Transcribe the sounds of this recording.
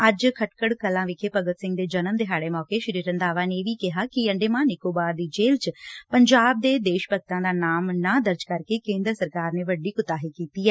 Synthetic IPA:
əd͡ʒkʰəʈkəɽkəlãːʋɪkʰeːpəɡət̪sɪ̃ŋɡ̚d̪eːd͡ʒənəmd̪eɦaːɽeːmɔːkeːʃəɾiːɾə̃nd̪aːʋaːneʋiːkɪɦaːkɪəɳɖeːmãːnɪkoːbaːɾd̪iːd͡ʒeːlt͡ʃpəɲd͡ʒaːb̚d̪eːd̪eːʃpəɡ̚t̪ãːd̪aːnaːmnãːd̪əɾd͡ʒkəɾkeːkẽːnd̪ɾəsəɾkaːɾneːʋəɖiːkʊt̪aːɦiːkiːt̪iːɛː

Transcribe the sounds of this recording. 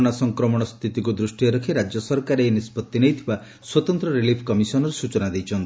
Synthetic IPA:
ɽ̃asɔŋkɾɔmɔɽ̃ɔst̪ʰit̪ikud̪ɾusʈijɔɾɔkʰiɾad͡ʒjɔsɔɾkaɾeːnispɔt̪ːinejt̪ʰiba | swɔt̪ɔnt̪ɾɔɾilipʰkɔmisɔnɔɾesut͡ʃɔnad̪ejt͡ʃʰɔnt̪ii

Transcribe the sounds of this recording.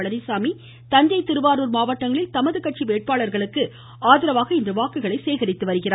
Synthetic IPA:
ɐɭɐnɪsaːmi | t̪ɐnd͡ʒɐɪt̪ːɪɾɯʋaːɾuːɾmaːʋɐʈːɐŋɡɐɭɪlt̪ɐmɐðɯkɐʈ̚t͡ʃiʋeːʈ̚paːɭɐɾɣɐɭɯkːɯ | aːðɪɾɐʋaːɣɐɪndrɯʋaːkːɯɣɐɭɐɪseːɣɐɾɪt̪ːɯʋɐɾɯɣɪraː

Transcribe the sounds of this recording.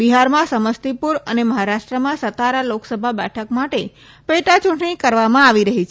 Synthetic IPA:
biɦaɾmãsəməst̪ipuɾəneməɦaɾaʃʈɾəmãsət̪aɾaloksəbʱabɛʈʰəkmaʈe | peʈat͡ʃʊ̃ɳʈɳ̃ikəɾʋamãaʋiɾəɦit͡ʃʰ

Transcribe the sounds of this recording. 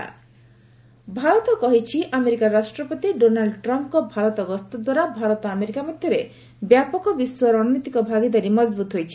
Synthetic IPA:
bʱaɾɔt̪ɔkɔɦit͡ʃʰiʔameɾikaɾasʈɾɔpot̪iɖonalɖʈɾɔmpkɔbʱaɾɔt̪ɔɡɔst̪ɔd̪waɾabʱaɾɔt̪ɔameɾikamad̪ʱjɔɾe | bjapɔkɔbiswɔɾɔnit̪ikɔbʱaɡid̪aɾimɔd͡ʒbut̪ɦojt͡ʃʰi

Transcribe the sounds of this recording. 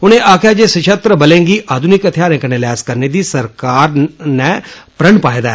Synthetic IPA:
ʊnẽːʔaːkʰjaːd͡ʒeːsəʃət̪ɾəbəlẽːŋɡiːʔaːd̪ʱʊnɪkət̪ʰɪjaːɾẽːkənẽːlaːzkəɾneːd̪iːsəɾkaːɾnɛ̃ːpɾəɳpaːed̪aɛː

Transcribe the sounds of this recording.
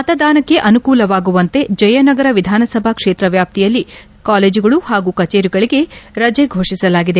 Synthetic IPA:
mɐt̪ɐd̪aːnɐkːe̞ʔɐnukuːlɐʋaːɡuʋɐnt̪e̞d͡ʒɐjɐnɐɡɐɾɐʋid̪ʱaːnɐsɐbʱɐkʂeːt̪ɾɐʋjaːp̚t̪ijɐlːi | kaːleːd͡ʒuɡɐɭuhaːɡuːkɐt͡ʃeːɾiɡɐɭiɡe̞ɾɐd͡ʒeɡʱo̞ːʂisɐlaːɡid̪e̞

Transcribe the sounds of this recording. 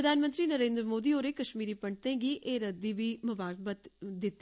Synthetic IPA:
ɾɐd̪ʱaːnmə̃nt̪ɾinɐɾẽːnd̪ɾmoːd̪ioːɾekɐʃmiːɾipɐɳt̪ẽɡiʔeɾɐd̪ibʱimɐʋaːɾbət̪d̪ɪt̪ː

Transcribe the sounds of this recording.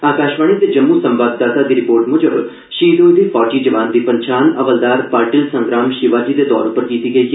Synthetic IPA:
aːkaːʃʋaːɳ̃id̪eːd͡ʒəmːuːsəmbaːb̚d̪aːt̪aːd̪iːɾɪpoːɾʈmʊd͡ʒəb | ʃiːd̪oːd̪iːpʰɔːɾʈiːd͡ʒəʋaːnd̪iːpəɲt͡ʃʰaːnəʋəld̪aːɾpaːɾʈiːlsə̃ŋɡɾaːmʃɪʋaːd͡ʒiːd̪eːd̪ɔ̰ːɾʊpəɾkiːt̪iːɡəiː

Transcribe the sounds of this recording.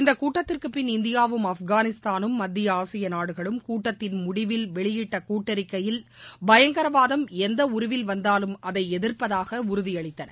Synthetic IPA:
ɪnd̪ɐkːuːʈːɐt̪ːɪrkɯpɪnɪnd̪ɪjaːʋɯmɐfɡaːnɪst̪aːnɯmːɐd̪ːɪjɐaːsɐjɐnaːɽɯɣɐɭɯmkuːʈːɐt̪ːɪnmʊɽɪʋɪlʋɛɭɪjɪʈːɐkuːʈːɐɾɪkːɐjɪlbɐjɐŋɡɐɾɐʋaːðɐmɛnd̪ɐʊɾʊʋɪlʋɐnd̪aːlɯmɐðɐɪɛðɪrpɐðaːɣɐʊɾʊðɪjɐɭɪt̪ːɐnɐ̰

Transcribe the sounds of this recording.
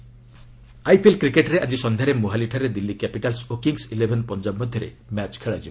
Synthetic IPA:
ajpʰelkɾikeʈɾeʔad͡ʒisɔnd̪ʱaɾemoɦaliʈʰaɾed̪ilːikapiʈalsokiŋsilebʱɔnpɔnd͡ʒabmɔd̪ʱjɔɾḛ | mat͡ʃkʰeɭad͡ʒib

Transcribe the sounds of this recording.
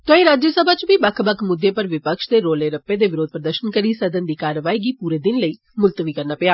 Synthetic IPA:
t̪õːĩːɾaːd͡ʒjəsəbʱaːt͡ʃbiːbəkʰbəkʰmʊd̪ːeːpəɾʋɪpəkʃd̪eːɾoːleːɾəpːeːd̪eːʋɪɾoːd̪̚pɾəd̪əɾʃənkəɾiːsəd̪ənd̪iːkaːɾəʋaːiːɡiːpuːɾeːd̪ɪnləiː | mʊlt̪əʋiːkəɾnaːpɪaː

